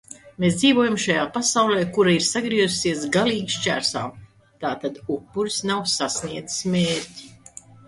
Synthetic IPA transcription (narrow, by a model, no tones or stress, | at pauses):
mesd̪ziːvuɔjumʃajaːpasawlɛːkuɾaiɾsaɡɾiɛzusiɛsɡaliːɡʃt͡ʃæ̰ɾsa̰ːm | t̪aːt̪ad̪upːuɾsnawsasniɛd̪zi̥smeːɾʲtʲi̥